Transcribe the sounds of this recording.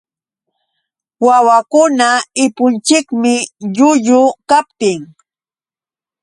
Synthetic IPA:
wawakʊnaɪpʊnt͡ʃɪkmɪʎʊʎʊkap̚t̪ɪŋ

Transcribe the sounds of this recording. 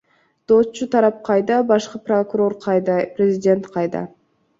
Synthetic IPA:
d̪̥ot̪t͡ʃut̪ʰɑɾɑp̚qʰɑjd̪ɑbɑʃqɯprokuɾo̞ɾʰd̪prʲɪzʲɪdʲe̞nt̪qʰɑjd̪ɑ̰

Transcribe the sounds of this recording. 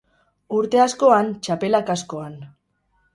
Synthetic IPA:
uɾt̪e̞asko̞ant͡ʃape̞lakasko̞an

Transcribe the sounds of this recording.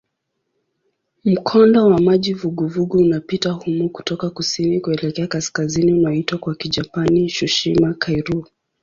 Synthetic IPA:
m̩kʰɔndɔwamaʄivuɡuvuɡuːnapitahumuku̥tɔkakusinikuɛlɛkɛakaskaziniunaɔitwakwakid͡ʒapaniʃuʃimakʰajɾu

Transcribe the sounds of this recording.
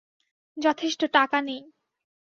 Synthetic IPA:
d͡ʑɔt̪ʰeʃʈoʈakanej

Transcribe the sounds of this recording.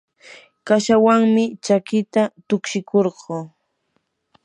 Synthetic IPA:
kaʃawaŋmɪt͡ʃakɪt̪at̪ʊkʃɪkʰoɾɢoː

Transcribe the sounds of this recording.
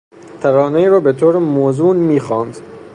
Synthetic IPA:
t̪ʰæɾɒːneiːɾɒːbet̪ʰoːɾemozuːnmiːxɒːnd̪

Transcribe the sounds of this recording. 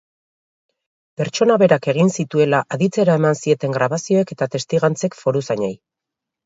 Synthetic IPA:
pe̞ɾt͡ʃo̞naβe̞ɾake̞ɣ̞insit̪ue̞laʔaðit͡se̞ɾae̞mansie̞t̪e̞ŋɡɾaβasio̞e̞ke̞t̪at̪e̞st̪iɣant͡se̞kfo̞ɾusaɲaj

